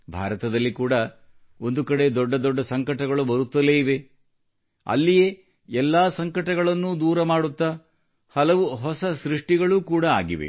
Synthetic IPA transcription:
bʱa̰ːɾɐt̪ɐd̪ɐlːikuːɽɐ | o̞nd̪ukɐɽe̞d̪ɔɖːɐd̪ɔɖːɐsɐŋkɐʈɐɡɐɭubɐɾut̪ːɐleːiʋe̞ | ɐ̰lːije̞ | ɛlːaːsɐŋkɐʈɐɡɐɭɐnːuːd̪uːɾɐmaːɽut̪ːɐ | hɐlɐʋuɦɔsɐsɾiʂʈiɡɐɭuːkuːɽɐaːɡiʋḛ

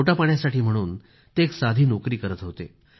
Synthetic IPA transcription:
oʈapaɳjasaʈiːm̤əɽ̃uːn | t̪eːksad̪ʱiːnokɾiːkəɾət̪ɦot̪ḛ

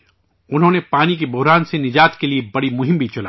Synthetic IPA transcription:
ʊnɦõːnepaːnik̬ebʊɦɾaːnsenɪd͡ʒaːt̪keliebɐɽimʊɦɪ̃mbʱit͡ʃʊla̰

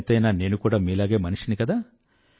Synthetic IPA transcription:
t̪ɐnaːneːnukuːɽamiːlaːɡeːmɐnuʂinikɐd̪aː

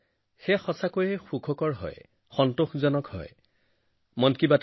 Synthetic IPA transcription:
xɛxɔsakojexukʰɔkɔɹɦɔ̰j | xɔntoxzɔnɔkhɔ̰j | mɔnkibat

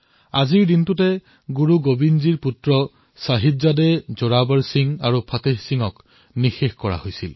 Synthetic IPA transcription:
aziɹdintutɛ | ɡuɹuɡobinziɹputɹɔ | saɦitzadɛzoɹabaɹsiŋaɹupʰatehsiŋɔk | nixexkɔɹa̰hojsil

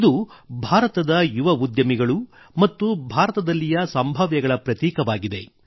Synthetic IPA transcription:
id̪ubʱaːɾɐt̪ɐd̪ɐjuʋɐud̪jɐmiɡɐɭu | mɐt̪ːubʱaːɾɐt̪ɐd̪ɐlːijɐsɐmbʱɐʋjɐɡɐɭɐpɾɐt̪iːkɐʋaːɡid̪e̞̰

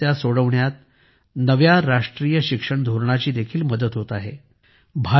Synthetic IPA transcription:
jasoɽəʋɳjat̪̚ | nəʋjaɾaʂʈɾijəɕikʂəɳd̪ʱoɾɳat͡ɕiːd̪ekʰiːlməd̪ət̪ɦot̪aɦe | bʱa

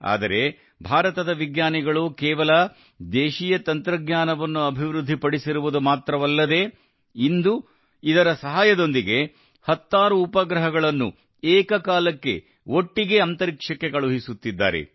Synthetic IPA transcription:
a̰ːd̪ɐɾe̞ | bʱaːɾɐt̪ɐd̪ɐʋiɡɲaːniɡɐɭukɛːʋɐlɐ | d̪eːʃiːjɐt̪ɐnt̪ɾɐɡɲaːnɐʋɐnːuɐbʱiʋɾud̪ʱːipɐɽisiɾuʋud̪umaːt̪ɾɐʋɐlːɐd̪e̞ | ind̪u | id̪ɐɾɐsɐɦaːjɐd̪o̞nd̪iɡe̞ | hɐt̪ːaːɾuːpɐɡɾɐɦɐɡɐɭɐnːṵ | ɛːkɐkaːlɐkːe̞̰ | o̞ʈːiɡe̞ɐnt̪ɐɾikʂɐkːe̞kɐɭuɦisut̪ːid̪ːa̰ːɾe̞̰

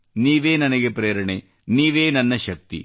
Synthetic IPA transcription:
niːʋe̞ːnɐnɐɡepɾeːɾɐɳe | niːʋe̞ːnɐnːɐʃɐk̚t̪ḭ

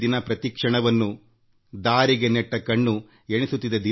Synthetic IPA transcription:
d̪inɐpɾɐt̪ikʂɐɳɐʋɐnːu | d̪aːɾiɡe̞neʈːɐkɐɳːu | eɳesut̪ːid̪ed̪i

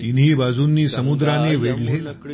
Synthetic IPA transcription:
t̪inɦiːbad͡zunːiːsəmud̪ɾaneʋeɽlel

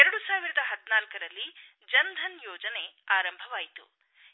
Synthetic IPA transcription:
ɛɾɐɽusaːʋiɾɐd̪ɐɦɐd̪naːlkɐɾɐlːi | d͡ʒɐnd̪ʱɐnjɔːd͡ʒɐne̞aːɾɐmbʱɐʋaːjit̪ṵ

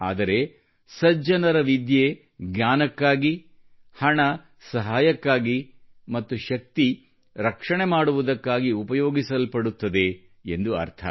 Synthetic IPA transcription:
a̰ːd̪ɐɾe̞ | sɐd͡ʒɐnɐɾɐʋid̪je | ɡɲʲaːnɐkːaːɡi | hɐɳɐ | sɐɦaːjɐkːaːɡi | mɐt̪ːuʃɐk̚t̪i | ɾɐkʂɐɳe̞maːɽuʋud̪ɐkːaːɡiupɐjoːɡisɐlpɐɽut̪ːɐd̪e̞ | end̪uɐ̰ɾt̪ʰɐ̰

